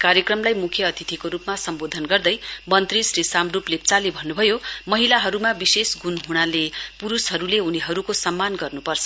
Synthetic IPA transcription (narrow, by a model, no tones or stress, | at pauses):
kaɾjʌkrʌmlajmukʰjʌʌt̪ʰit̪ʰikoɾupmasʌmbod̪ʱʌnɡʌrd̪ʌjmʌnt̪risrisamruplet͡salebʱʌnːubʱʌjomʌɦilaɦʌɾumabisesɡunɦuɽ̃alepuɾusɦʌɾuleɦuniɦʌɾukosʌmːanɡʌrnupʌrt͡sʰʌ̥